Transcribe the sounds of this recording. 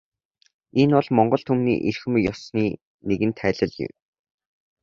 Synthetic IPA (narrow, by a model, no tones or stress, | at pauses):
enʊɮmɔɴɢɞ̆ɬt̪ʰumnḭːʔerxɘ̆mjɔsniː | neɣɘ̆nt̪ʰæːɮə̆ɮjɪ̰w